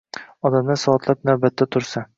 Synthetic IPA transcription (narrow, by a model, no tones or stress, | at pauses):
ɒd̪amnasɒːt̪lˠap̚nawbat̪ːat̪ʰʊɾsa